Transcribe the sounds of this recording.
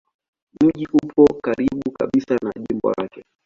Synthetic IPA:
m̩ʄiʔupʰɔkaɾiɓuka̰ɓisanaʄimbɔ̰lakɛ

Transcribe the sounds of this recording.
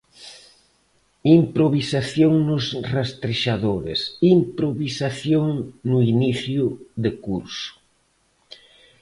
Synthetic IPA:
impɾoβisaθjoŋnʊsrast̪ɾeʃaðoɾḛsimpɾoβisaθjoŋnʊiniθjʊðekuɾsʊ̥

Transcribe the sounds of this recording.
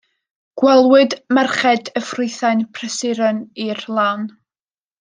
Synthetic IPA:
ɡ̥wɛlˠwɨdmɛrχɛdəfrʊɨθajnpʰrɛsɪɾənirlˠan

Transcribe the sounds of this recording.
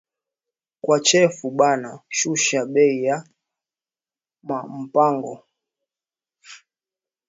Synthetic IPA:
kwat͡ʃɛfuɓanaʃuʃaɓɛija | mam̩paŋɡɔ

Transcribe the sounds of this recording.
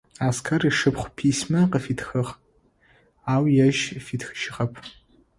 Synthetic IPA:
aːskʰɐriʂɨpχʷpʰismɐqəfitʰxɨχ | aːwjɐʒfitʰxɨʃɪʁɐpʰ

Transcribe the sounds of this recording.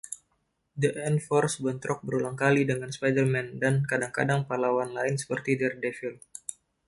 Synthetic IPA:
dəʔɛnfɔrsbənt̪ɾɔk̚bəɾulaŋkalidəŋanspajdərmɛndankadaŋkadaŋpalawanlaɪnsə̥pərt̪idɛrdɛfil

